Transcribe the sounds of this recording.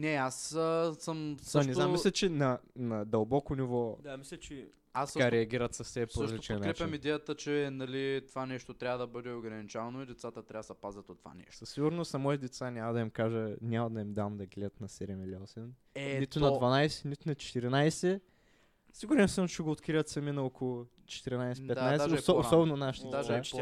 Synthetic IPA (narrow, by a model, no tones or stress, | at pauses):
nɛasəsəmsɐmnɛzammːislʲɛt͡ʃɛnɐnɐd̪ɐlˠbɔkonivɔd̪amislʲɛt͡ʃɛ | asɐkaɾɛɐɡʲiɾət̪sɐfsɛpsoəʃɐzliot͡ʃɛnkɾɛpjɐmid̪ɛjət̪ət͡ʃɛnɐlit̪ovanɛʃt̪ot̪ɾʲavɐd̪ɐbɤd̪ɛoɡɾɐnit͡ʃavɐnoid̪ɛt̪sat̪ət̪ɾʲavəsɐpazʲɐt̪ot̪ːva̰nɛ̰ʃosɐsiɡʊɾnost̪nɐmɔit̪d̪ɛt̪sanʲamɐd̪ɐimkaʒənʲamɐd̪ɐimd̪amd̪ɐɡlɛd̪ɐt̪nɐsɛd̪ɛmilʲiɔsɛn | ɛnit̪ʊnɐd̪vɐnajsɛ̥nit̪ʊnɐt͡ʃɛ̥t̪iɾinajsɛ | siɡuɾɛnsəmt͡ʃɛɡoːt̪kɾivɐt̪sɐminɐokolˠʊ | t͡ʃɛ̥t̪iɾinajsɛpɛt̪najsɛosɔbɛnonaʃi̥t̪id̪a